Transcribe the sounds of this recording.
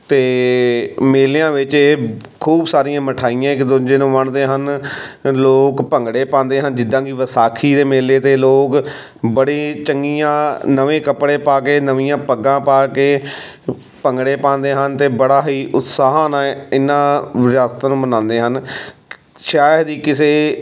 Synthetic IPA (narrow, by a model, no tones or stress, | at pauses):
t̪eː | meːlejãːʋɪt͡ʃeː | kʰuːbsaːɾĩjãːməʈʰaːijãːɪkd̪ʊd͡ʒeːnõːʋəɳd̪eːɦən | loːkpəŋɡɽeːpãːnd̪eːɦənd͡ʒɪd̪ːãːkiːʋəsaːkʰiːd̪eːmeːleːt̪eːloːk | bəɽeːt͡ʃəŋɡiːãːnəʋẽːkəpɽeːpaːkeːnəʋiːjãːpəɡãːpaːkeː | pəŋɡɽeːpãːnd̪eːɦənt̪eːbəɽaːɦiːʔʊt̪saːɦãːnãːɪnːãːʋɪɾaːst̪aːnũːmənãːnd̪eːɦən | ʃaːjd̪iːkɪseː